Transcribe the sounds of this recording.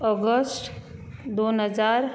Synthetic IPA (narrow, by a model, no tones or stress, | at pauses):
ɔɡəsʈd̪oːnəd͡ʒaːɾ